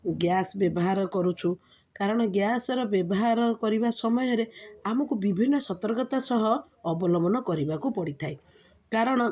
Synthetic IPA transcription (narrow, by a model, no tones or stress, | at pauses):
ɡjasɔbjɔbɔɦaɾɔkɔɾut͡ʃʰu | kaɾɔɽ̃ɔɡjasɔɾɔbjɔbɔɦaɾɔkɔɾibasɔmɔjɔɾeamɔkubibʱinːɔsɔt̪ɔɾɡɔt̪asɔɦɔː | bɔlɔmɔnɔkɔɾibakupɔɽit̪ʰae | kaɾɔɽ̃ɔ